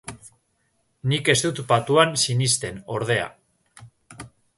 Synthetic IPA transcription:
nike̞st̪ut̪bat̪uansinist̪e̞no̞ɾð̞e̞a̰

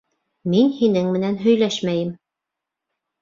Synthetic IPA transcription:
minhinɘŋmɘ̆nænɦɵ̆jlæʃmæjɘm

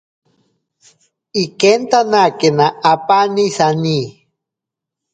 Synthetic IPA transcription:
ikent̪anakenaːpanisani

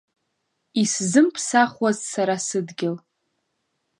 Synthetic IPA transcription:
iszɨmpʰsaχwazsaɾasɨdɡʲɪl

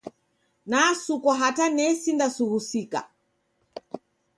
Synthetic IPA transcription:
nasukɔɦatanɛsindasuhusika̰

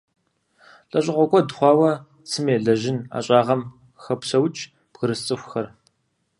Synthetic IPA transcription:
ɬʼɐɕʼɪʁʷɔkʷʰʼɔdχʷɑːwɐ | sɨmeːɮɐʒɪna̰ːɕʼaːʁɐm | xɐpsɐwt͡ʃʼ | b̥ɣəɾɨst͡sʼɨxʷxɐr

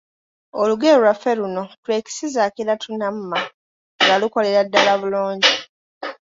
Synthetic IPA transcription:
oluɡeɾulafeluno̞twe̞ːki̥sizaːkiɾatunam̩mːa | ŋɡaluko̞le̞ɾadːalaβuloːɲɟi

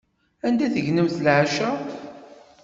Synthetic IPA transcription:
ænd̪æθəʝnəmθəlʕaʃæ

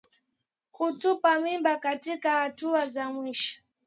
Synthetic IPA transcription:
kutupamimbakatikahatuazamwiʃɔ̥

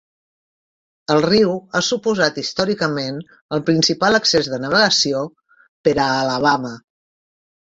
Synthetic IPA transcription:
əlˠriwasupuzat̪ist̪ɔɾikəmen | əlˠpɾinsipalˠəksezðənəβ̞əɣəsio | pəɾəːləβ̞amə

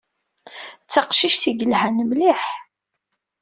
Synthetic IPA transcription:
t͡sːɑqʃiʃθiɡəlhænmliħ

